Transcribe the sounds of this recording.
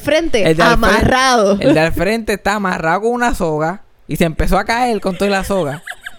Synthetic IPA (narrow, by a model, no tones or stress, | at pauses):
fɾent̪eeld̪eamaraðoḛld̪ealfɾe̞nt̪e̞ːst̪aːmaraðokoŋunaso̞ɣa | isempe̞so̞akae̞lko̞nt̪olaso̞ɣa